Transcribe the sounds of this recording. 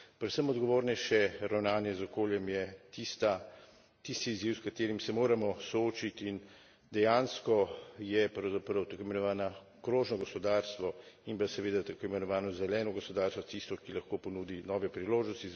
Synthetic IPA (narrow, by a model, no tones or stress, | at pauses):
pɾɛt̪səmɔd̪ɡoʋoːɾnɛjʃɛɾawnaːnjɛzɔkoːljɛmjɛt̪ist̪a | t̪ist̪iːzjiwskat̪eːɾimsɛmoːɾamɔsɔoːt͡ʃit̪in | d̪ɛjaːnskɔjɛpɾɐwzapɾɐwt̪akoːjimɛnɔʋaːna | kɾoːʒnɔɡɔspɔd̪aɾst̪ʋɔimpasɛʋeːd̪at̪akoimɛnɔʋaːnɔzɛlɛːnɔɡɔspɔd̪aːɾst̪ʋɔt̪ist̪ɔkilɐxkopɔnuːd̪inɔːʋɛpɾiloːʒnɔst̪i